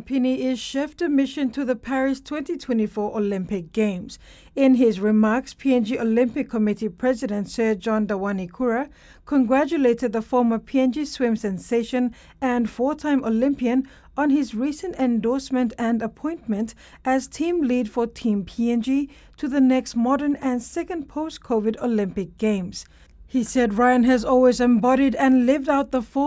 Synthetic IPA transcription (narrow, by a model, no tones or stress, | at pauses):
pʰɪniɪz̥ʃɛftɨmɪʃɨ̃ntʰɨðɨpʰæɹɪstʰw̥ɛ̃ntitʰw̥ɛ̃ntifɔɹʔəlɪ̃mpɨk̚ɡ̥ẽɪ̃mz̥ | ɪ̃nɪzɹɪmɑɹkspʰiɛ̃nd͡ʒiʔəlɪ̃mpɨkʰːəmɪɾipʰɹ̥ɛzɨɾɨ̃ntsɜ˞d͡ʒɑ̃ndaɪwanikʰuɹɨ | kʰə̃nɡɹæt͡ʃɨleɪɾɨd̪̚ðəfɔɹməpʰiɛ̃nd͡ʒiswɪ̃msɛ̃nseɪʃɨ̃n | ɨ̃nfɔɹtʰãɪ̃mʔəlɪ̃mpiɨ̃n | ə̃nɪzɹisɨ̃ntɛ̃ndɔɹsmɨ̃ntɨ̃nəpʰɔ̃ɪ̃nmɨ̃nt | ʔɨz̥tʰĩmlid̥fə˞tʰĩmpʰiɛ̃nd͡ʒi | tʰɨðɨnɛksmɑɾə̃˞nɨ̃nsɛkɨ̃npʰoʊskʰoʊvɨɾolɪ̃mpɨk̚ɡ̥ẽɪ̃mz̥ | hisɛd̚ɹaɪɨ̃nɨzɔlˠwizɨ̃mbɑɾiɾɨ̃nlɪvdaʊt̪̚ðəfɔ